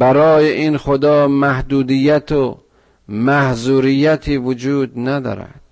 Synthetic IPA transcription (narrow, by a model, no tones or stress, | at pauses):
bæɾɒːjeʔinxod̪ɒːmæhd̪uːd̪ijːæt̪ʰo | mæhzuːɾijːæt̪ʰiːvod͡ʒuːd̪næd̪ɒ̰ːɾæ̰d̪̥